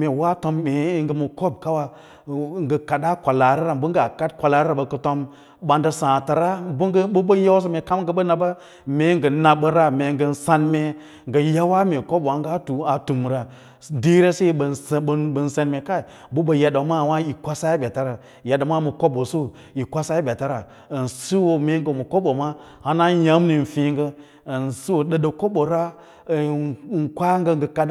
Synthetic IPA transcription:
me˨wa˦to˧˦mːe˨˦ŋɡə˦mu˨ko˦b̚ka˦wa˦ | ŋɡə˨ka˨da˦kʷa˨la˨ɾi˦ɾa˦m˦bə˦ŋ˦ɡa˨ka˦t̚kʷa˨la˨ɾɾa˨bə˨kə˨to˦m | ɓa˨nda˦sã˨ta˨ɾa˦bɡbu˦ə˦ja˦s̬o˦me˨ka˦m˦ɡə˨ɓə˦na˨ba˦ | me˨˦ŋɡə˨na˨bə˦ɾa˦me˨˦ŋɡə˦nsa˦nme˦ | ŋɡə˨ja˦wa˦me˨ko˦ba˨˦ŋɡa˦tu˨a˨tu˨m˨ɾa˨ | di˦ɾe˦se˦i˨ɓə˨ɓbə˨n˨se˨nme˨ka˦i˨ | bu˦bə˨ja˨do˨˦ma˦˨wa˦i˨kʷa˦sa˦i˦bʲa˨ta˦ɾa˨ | ja˨da˨ma˦mə˨ko˦ɓo˨su˦ | i˨kʷa˦sa˦i˦bʲa˨ta˦ɾa˨ | n̩˨si˦wo˨me˨˦ŋ˦ɡə˨mə˨ko˦ɓo˨ma˦ | ha˦na˦ja˨˦m˦ni˨n̩˨fĩ˨˦ŋɡə˦˨ | n˨si˦wo˨ɗə˨ɗə˨ko˦ɓo˨ɾa˦˨˦ | ŋ˨kʷa˦ŋɡə˧ŋɡə˨ka˦

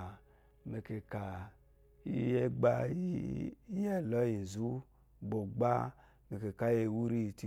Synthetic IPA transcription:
me˨ke˨ka˨ | i˦je˦ɡ͡ba˦ | i˦jɛ˦˨lɔ˨˦ji˨n˨zu˦ | bo˨ɡ͡ba˦ | me˨ke˨ka˨˦e˨wu˦ɾi˦˨ti˨

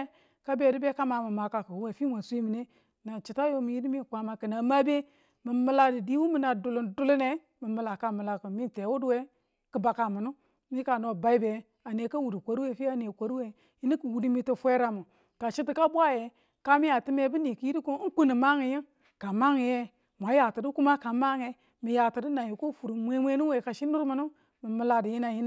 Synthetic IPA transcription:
ka˦be˨di˦be˦ka˦ma˨mə˨ma˨ka˨ku˨wu˦we˨fi˦ŋʷa˨sʷi˦mi˨ne˦˨ | na˨t͡ʃi˨ta˦jo˦mi˨ji˦di˦mi˦˨kʷa˨ma˨kə˨na˨ma˦be˦ | mi˨mə˦la˦di˨di˦wu˦mi˨na˨du˨lu˨ndu˦lu˦ne˨ | mi˨mə˨la˨ka˦˨mə˨la˨ku˨mi˦n˨te˨˦wu˦du˦we˦ | kə˨ba˨ka˨mu˨nu˦ | mi˦ka˨no˨ba˨i˦be˨ | a˨ne˨ka˦wu˨di˨kʷo˨ɾi˦we˦˨fi˦a˦˨ne˨kʷo˨ɾi˦we˨ | ji˦ni˦ku˨wu˨di˦mi˦ti˨fʷe˦ɾa˨mu˨ | ka˨ʃi˦ti˨ka˦bʷa˦je˨ | ka˦mi˦a˨ti˦me˦bi˦ni˨ki˦ji˦ɾi˦ko˦ku˦ni˨ma˦ŋi˨ji˦ŋ | ka˨ma˦ŋi˨je˦ | mʷ˨a˨˦ja˨ti˨di˦ku˦ma˦ka˨ma˦ŋe˨ | mi˨ja˨ti˨di˦na˨ji˨ko˦fu˨ɾu˨mʷe˦mʷe˦nu˦we˨ka˨ʃi˦nu˦ɾmu˨nu˦ | mi˨mə˨la˨di˨ji˦na˨ji˦n˦

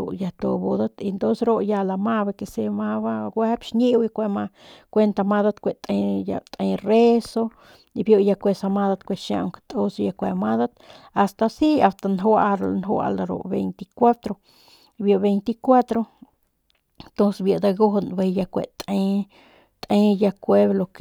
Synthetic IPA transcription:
o̰˨ʔja˧t̪o˧bo˧d̪a˦t̪i˧nd̪o˦sɾo˦ja˧la˧ma˦be˧ke˨se˧ma˦βa˦ɡʷwe˦pʃɲi˦wja˧kʷe˧ma˧kʷe˦nt̪a˧ma˧d̪a˧t̪kʷe˨t̪ʼe˧ja̰˧t̪ʼe˧jre˦so˦ | i˧bjo˧ja˧kʷe˧sa˧ma˧d̪a˧t̪kʷe˧ʃa̰˧ʔŋke̥˧t̪o˦sja˧kʷe˧ma˦d̪a˦t̪a˨st̪a˧si˦a˨st̪a˧nɦwa˧ɾnɦwa̰˧la˨ɾo̰˨ʔbḛ˧jnt̪i˧kʷa˦t̪ɾo˧ | bjo˨be˧jnt̪i˧kʷa˦t̪ɾo˧ | nt̪o˦nsebja˨d̪a˧ɡo˦ɦnbe˧jja˧kʷḛ˨ʔt̪e˦ | t̪ʼe˦ja˧kʷe˦blo˧k

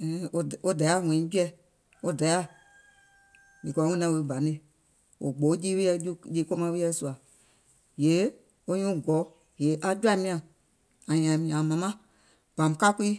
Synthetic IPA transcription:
o˧˨o˦da˨˦a˦˨wɛ̃˨ĩ˨˦d͡ʒu˦ɛ˧ | o˦da˨˦a˦ | mĩ˨kɔ˨˦ŋɛ̃˦nã˧˦we˧˨bã˨ne˧ | o̰˨ɡ͡bo˨˦d͡ʒiː˦we˦ɛ˧d͡ʒu˦d͡ʒiː˦ko˦mã˧˦we˦ɛ˧˦su˧a˨ | je˨˦ | o˦ɲũː˦ɡɔ˨˦ | je˨˦ʔa˧d͡ʒa˧˦mĩ˧˦ã˨ | ã˨jã˨mĩ˧ã˨mã˨mã˦ | b̥ã˨m˨ka˦kiː˦

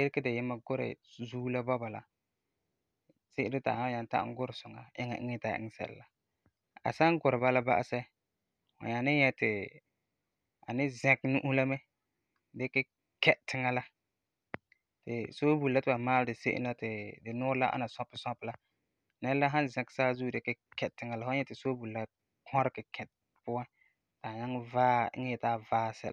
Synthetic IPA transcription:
ɪ˦ɾɪ˦ka˦dɪ˨jɪ˦ma˦ɡʊ˦ɾɪ̰˨zuː˦la˦bɔ˦ba˨la̰˨ | sɪ˦ʔɪ˦dɪ˦ta̰˨ha˦ja˨n˦ta̰˦ʔɡʊ˦ɾɪ˨sʊ˨ŋa̰˨ʔɪ̰˦ŋa̰˨ʔɪ̰˦ŋɛ˦ta˨ʔɪ̰˦ŋ˦sɛ̰˨l̰la˨ | a̰˨sa˦ŋɡʊ˨ɾɪ˨ba˦la˦ba̰˦ʔa̰˦sɛ˦ | hʊ̰˨ɲa˨nɪ˦jɛ˦tɪ˨ | a˨nɪ˦zɛ̃˨knu˦ʔu˦la˦mɛ˦ | dɪ˦kɪ˦ | kɛ˦ʔtɪ˦ŋa˦la˦ | tɪ̰˨so˦bu˨lla˦tɪ˨ba˨maː˦ldɪ˨se˦ʔɪ̰˦nla˦tɪ˨dɪ˨nʊː˦ɾla˦ʔa̰˦na˨sɔ̃˦pːɪ˨sɔ̃˦pla˦ | nɛ˦lla˦ɦã˦nzɛ̃˨ksaː˦zuː˦˨dɪ˦kɪ˦kɛ˨ttɪ˨˦ŋa˨la˨fʊ˦ɲɛ˦tɪ˨soː˦bu˨la˦ | kʰɔ˦ɾɪ˦kɪ˨kʰɛ˨t | pʊ˦wa˦ | ta˨ɲa˦ŋ˦vaː˦ɪ̰˦ŋɛ˦jɛ˨taː˦vaː˦˨sɛ̰˦l

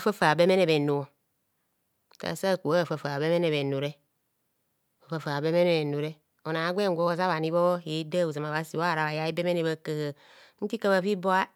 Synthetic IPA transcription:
fa˦fa˨be˦me˦ne˨be˨no˨o˨ | ka̰˨sa˦˨ku˨a˦˨fa˨fa˨be˦me˦ne˨βe˨no˨ɾe˦ | o˨fa˨fa˨be˦me˦ne˨e˨no˨ɾe˦ | o˨na˨˦ɡʷe˦ŋ˦ɡʷo˦za˦βa˨ni˦βo˦je˨˦da˦u˨za˨ma˨βa˦si˨wa˦˨ɾa˨βa˨ja˦i˦be˦me˦ne˨βa˦˨kə˨hə˨˦ | n̩˦ti˦ka˦βa˦˨fi˦bo˦a˦

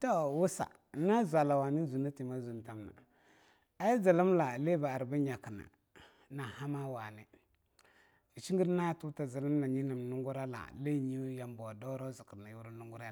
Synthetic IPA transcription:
to˦wu˦sa̰˨˦ | na˦zʷa˨la˨wa˨ni˦zu˨na˦ti˨ma˦zu˨n˨ta˦mna̰˨ | a˦ji˦za˨lu˦mla˨le˦ba˨a˨ɾba˦ɲa˨ki˨na̰˨ | na˨ha˦ma˦wa˨ni˦ | i˨t͡ʃi˦ŋɡi˦ɾna˦tu˦ta˨za˨lu˦mla˨ɲi˦na˨m˨nu˦ŋɡu˦ɾa˦la̰˨le˦˨ɲi˦ja˨mbo˨do˦ɾa˦zu˨ki˨ɾna˨ju˦wu˦ɾu˦nu˦ŋɡu˦ɾa˦˨

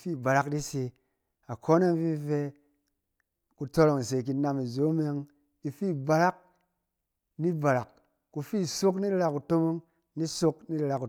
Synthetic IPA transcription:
fi˦˨ba˨ɾa˦kdi˦si˧ | a˨ko˦na˦m˦vi˦fe˧ | ku˧to˧ɾo˨ŋ˨se˨k̬i˧na˨˧mi˨zo˨˦m˦e˦˧˦ŋ | i˧fi˦˨ba˨ɾa˦k̚ | ni˦ba˨ɾa˨k̚ː | u˧fi˦˨so˦k̬ni˦ɾi˦ɾa˧ku˨to˦mo˦ŋ | ni˦so˦kni˦ɾi˧ɾa˧ku˨

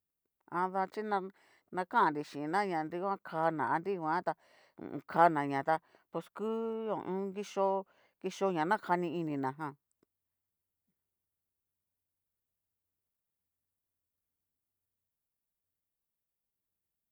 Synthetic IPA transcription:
ã˧ða˧t͡ʃi˦nã˧ | nã˧kã˦ã˨nɾi˨ʃĩ˨˧nã˦ɲã˨nɾi˧kʷã˦kʰaː˧nã̰˨a˧nɾi˦kʷã˦t̪ã̰˧˨˧ | kʰa˧nã˨ɲã˨t̪a˧ | po˧skɨ˦õ̰˨ʔũ˦ɡi˦ʃo˧ | ki˧ʃo˧ɲã˨nã˦kʰa˧nĩ˧i˧nĩ˧nã˨ɦã˧˨

